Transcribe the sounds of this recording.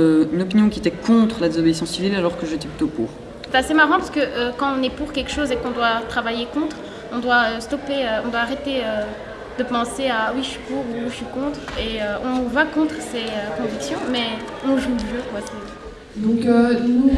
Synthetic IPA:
øynɔpinjɔ̃kʲiet̪ɛkɔ̃t̪χəlad̪ezɔbeisɑ̃sivilalɔʁkəʒet̪ɛplyt̪opṵːʁ | sɛt̪asemaʁɑ̃paʁsə̥kəʔøkɑ̃ɔ̃nɛpuʁkʲɛlkʃozekɔ̃d̪wat̪χavajekɔ̃t̪χ | ɔ̃d̪waøst̪ɔpeøɔ̃d̪waːʁet̪eø | d̪̥əpɑ̃seawiʃɥipuʁuːʃɥikɔ̃t̪χeøɔ̃nuvakɔ̃t̪χseøkɔ̃viksjɔ̃mɛ | ɔ̃ʒuʒøkwasɛ | d̪ɔ̃køu

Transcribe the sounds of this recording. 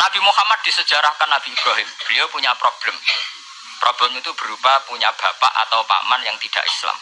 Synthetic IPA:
nab̥imuhamat̪̚d̥̪isəd͡ʒ̥aɾahkanːab̥ib̥ɾɔɦɪmb̥əliopuɲapɾob̥ləm | pɾʔob̥lɛmit̪ub̥ə̤ɾupapuɲab̥a̤pa̰ʔa̰t̪awpa̰manjaŋt̪id̥a̰ʔḭsla̰m

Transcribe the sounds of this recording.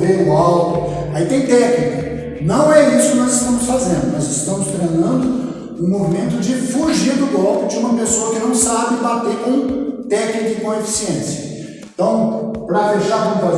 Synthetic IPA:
veʊawk̪ʊ̃ait̪ẽj̃t̪ɛknikɐ | nɐ̃w̃ɛisʊkɪnɔzɪst̪ɐ̃mʊsfazẽnd̪ʊnɔzɪst̪ɐ̃mʊst̪ɾenɐ̃nd̪ʊ | ʊ̃movimẽnt̪ʊd͡ʒɪfuʒiɾd̪ʊɡɔlpɪd͡ʒɪũmɐpesoɐkɪnɐ̃w̃sabɪbat̪ekũt̪ɛknikɐkõefi̥siẽsjɐ | ẽt̪ɐ̃w̃pɾɐd̪eʃaɾkõmʊfa

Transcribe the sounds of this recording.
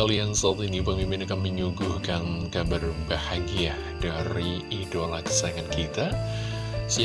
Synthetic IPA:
aliansət̪uinipəmimpɪnakanməɲuɡuhkankabarbahaɡiahd̥aɾiidolahkə̥saŋankit̪a | si

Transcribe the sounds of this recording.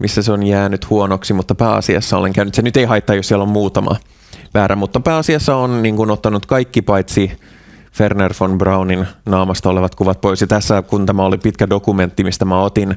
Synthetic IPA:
mʔisːæseonjæːnyt̪huonoksimut̪ːɑpæːɑ̰siɑ̰sːɑoleŋkæynyt̪senyt̪eihɑijt̪ːɑjossiɛlommuːt̪ɑmɑ̰ | ʋæːɾʔæmut̪ːɑpæːɑsiɑsːɑonniːŋkunot̪ːɑnut̪kɑikːipɑjt̪si | fernerfonbrɑwninnɑːmɑst̪ɑoleʋɑt̪kuʋɑt̪̚poisjɑt̪æsːækunt̪æmæolipit̪kædokument̪ːimist̪æmæot̪in

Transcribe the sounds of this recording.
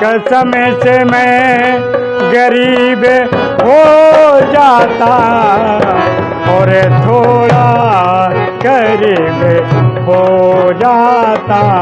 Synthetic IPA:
kɐsɐməsemẽ | ɡɐɾiːb | ɦod͡ʒaːt̪a | ɔːɾet̪ʰoːɽa | ɡɐɾiːbɦod͡ʒaːt̪aː

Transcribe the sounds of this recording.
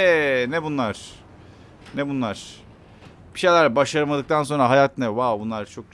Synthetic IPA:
nɛbunlˠaɾ̥ | nɛbunlˠaɾ̥ | b̥i̥ʃe̞jlʲæɾbaʃaɾɯmad̪ɯk̚t̪ʰans̬o̞nɾaɦajat̪nɛvawbunlˠaɾt͡ʃʰo̞k̚

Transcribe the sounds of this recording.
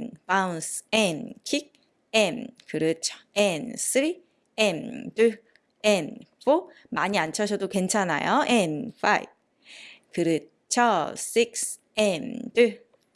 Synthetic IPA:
npansenkʰik̚ | enkɯɾɯt͡ɕʰʌ̥ens͈ʰɯɾi | entɯ | enpo | maɲiant͡ɕʰʌɕʰʌdoke̞nt͡ɕʰana̰joenfʰaḭb̚ | kɯɾɯ | t͡ɕʰʌs͈ik̚s | endɯ

